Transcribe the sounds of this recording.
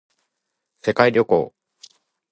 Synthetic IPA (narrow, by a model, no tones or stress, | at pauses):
se̞kaiɾʲo̞ko̞̰ː